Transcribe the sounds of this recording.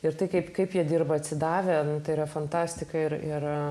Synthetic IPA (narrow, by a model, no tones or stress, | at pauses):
ɪɾt̪ɐɪkɐɪpkɐɪpjiɛd̪ʲirbɐɐt̪ʲsʲɪd̪ɑːʋʲɛnʊt̪ɐɪɾɐfɐnt̪ɑːsʲt̪ʲɪkɐɪɾɪr